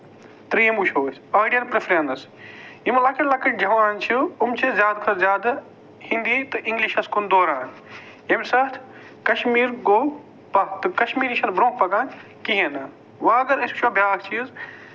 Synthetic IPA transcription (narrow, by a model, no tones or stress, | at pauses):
t̪ɾiːɐmbuʃʰoːsaːɖijɐnpɾefɾẽnd̪ɐs | imɐlaːkʰilaːkʰɐʈd͡ʒɐʋaːnt͡ʃʰuʊmt͡ʃʰezʲjaːd̪kʰɐɾzʲjaːd̪ | hĩnd̪it̪ɨʔɪ̃ŋɡliʃɐskond̪oːɾaːn | emsɐt̪ʰ | kɐʃmiːɾɡoː | pɐt̪ɨkɐʃmiːɾiʃɐnbɾõːk̚ʰpɐkaːn | kiɦẽnɐ | ʋaɐɡɐɾɐsu̥t͡ʃʰoːbʲaːkt͡ʃʰiz